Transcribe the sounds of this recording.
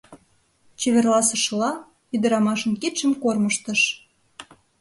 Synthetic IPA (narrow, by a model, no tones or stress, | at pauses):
t͡ɕeβerlɑsə̆ʃəlɑ | yd̪əɾɑmɑʃə̆nkit̪ʃəmkorməʃt̪ə̆ʃ